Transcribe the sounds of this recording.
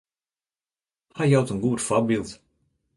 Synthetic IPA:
hajawtənɡuətfabilˠt

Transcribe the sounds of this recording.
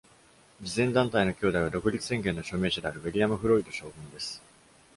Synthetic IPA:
d͡ʑizẽ̞nd̪ãnt̪aino̞kʲo̞ːd̪aiβ̞ad̪o̞kɯ̟ɾʲit͡sɨ̥sẽ̞ŋɡẽ̞nːo̞ɕo̞ːme̞ːɕad̪e̞aɾɯ̟βeɾʲiamɯ̟ɸɯ̟ɾo̞id̪o̞ɕo̞ːbɯ̟̃nd̪e̞sɨ̥

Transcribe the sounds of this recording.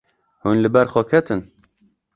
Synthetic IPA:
hunlɨbɛɾxɔkʰɛt̪ɨn

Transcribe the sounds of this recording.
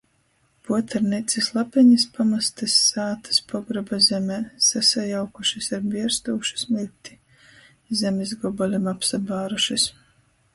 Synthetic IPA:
puɔt̪aɾnit̪sislˠapɛɲispamast̪asːaːt̪ḁspʰɔɡɾɔbazɛmɛːsasajawkuʃisaɾbiɛɾst̪uːʃu̥smilʲt̪ʲi̥ | zʲɛmezɡɔbɔlʲimapsabaːɾuʃis

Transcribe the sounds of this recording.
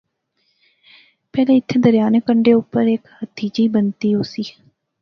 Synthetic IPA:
pɛːlẽːɪt̪ʰːeːd̪əɾɪjaːnekəɳɖeːʊpːəɾekhət̪ʰiːd͡ʒiːbənt̪iːɦoːsiː

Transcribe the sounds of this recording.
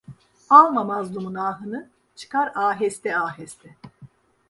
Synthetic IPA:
alˠmamazd̪ˠumunaːɦɯnɯ | t͡ʃʰɯ̥kʰaɾaːɦɛst̪ɛaːɦɛst̪ʰɛ

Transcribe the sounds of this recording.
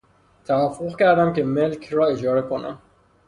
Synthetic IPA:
t̪ʰævæfoɣcæɾd̪æmke̞melcʰrɒːe̞d͡ʒɒːɾe̞kʰo̞næ̰m

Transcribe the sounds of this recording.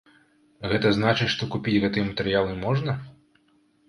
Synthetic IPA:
ɣɛt̪ɐznat͡ʂɨt͡sʲʂt̪ɔkupʲit͡sʲɣɛt̪ɨjɛmɐt̪ɛɾɨjalˠɨmɔʐnɐ

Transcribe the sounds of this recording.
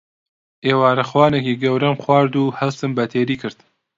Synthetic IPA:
ʔeːwaːɾɐxwɑːnekiːɡɐwɾɐmxwɑːɾd̪uːhɐwsɨmbɐt̪ʰeːɾiːkʰɨɾd̪̥

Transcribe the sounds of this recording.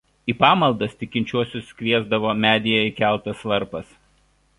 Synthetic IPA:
iːpɑːmɐlˠd̪ɐst̪ʲɪkʲɪnʲt͡ʃʲuɔsʲʊskʲʋʲiɛzd̪ɐʋoːmʲæːd̪ʲɪjɛɪkʲæˑlˠˑt̪ɐslˠɐɾpɐs

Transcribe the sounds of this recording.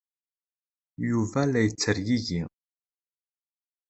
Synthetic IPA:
juvælæjət͡sːəɾjiʝi

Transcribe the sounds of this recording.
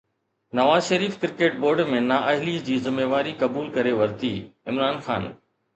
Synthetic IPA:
nɐʋaːzʃɐɾiːfkɪɾkeːʈ̚boːɾɖmẽnaːʔɐɦlid͡ʑiːzɪmːeːʋaːɾikɐbuːlkɐɾeʋɐɾt̪iːɪmɾaːnxa̰ːn

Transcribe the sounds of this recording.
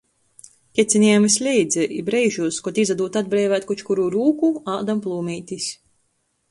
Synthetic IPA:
kʲɛt̪sʲinʲiɛmisʲlʲɛjd̪zʲɛʔibɾɛjʒuːskɔt̪izad̪uːt̪ad̪̚bɾɛːvæːt̪̚kut͡ʃkuɾuɾuːkuaːd̪amplˠuːmʲiːt̪ʲisʲ

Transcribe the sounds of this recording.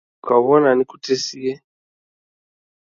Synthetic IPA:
kwaβɔnanikutesiɛ

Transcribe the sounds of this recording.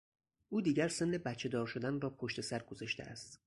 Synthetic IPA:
ʔuːd̪iːɟæɾse̞nːebæt̪t͡ʃʰːe̞d̪ɒːɾʃo̞d̪ænrɒːpʰoʃt̪e̞sæɾɡozɒʃt̪ḛʔæ̰st̪

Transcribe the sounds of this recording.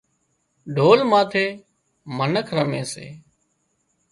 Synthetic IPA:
ɖʱoːlmaːt̪ʰeː | mənəkʰɾəmeːsḛː

